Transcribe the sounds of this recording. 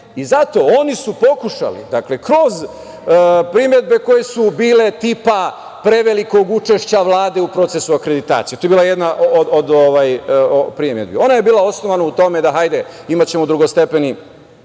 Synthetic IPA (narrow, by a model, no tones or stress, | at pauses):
izat̪o̞o̞nisupo̞kuʃa̰lḭd̪akle̞kɾo̞z | pɾimje̞d̪̚be̞ko̞je̞subiːle̞t̪iːpa | pɾe̞ʋeliko̞ɡut͡ʃe̞ʃt͡ɕaʋlˠaːd̪e̞upɾo̞t̪se̞suakɾe̞d̪it̪a̰ːt̪sijet̪ojebilaejed̪naʔoood̪oʋajopɾimje̞d̪bio̞naje̞biːlˠao̞sno̞ʋanaut̪o̞me̞d̪aɦajd̪eimat͡ɕe̞mod̪ɾuɡo̞st̪e̞peni